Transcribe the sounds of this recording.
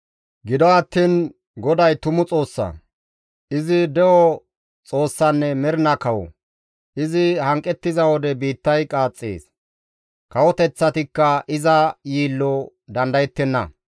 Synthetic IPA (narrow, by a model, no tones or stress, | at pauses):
ɡɪd̪ɔɐt̪ːiːn | ɡɔd̪ɐjt̪ʊmʊt͡sʼo̞ːsːɐ̰ | ɪzɪd̪ɛʔɔ | t͡sʼo̞ːsːɐnːɛmɛɾɪnɐkɐwɔ̰ | ʔɪzɪhɐŋkʼːɛt̪ːɪzɐwɔd̪ɛbiːt̪ːɐjkʼaːt͡sʼːḛːs | kɐwɔt̪ɛt͡sːɐt̪ɪkːɐʔɪzɐjiːlːɔ | d̪ɐnd̪ɐjɛt̪ːɛnːɐ̰